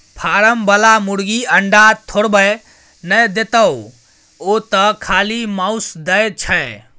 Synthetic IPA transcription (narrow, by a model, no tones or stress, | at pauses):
pʰaɾəmbəlamuɽɡiəɳɖat̪ʰoɽbəj | nəjd̪et̪əw | ot̪əkʰalimaʊsd̪əjt͡ʃʰə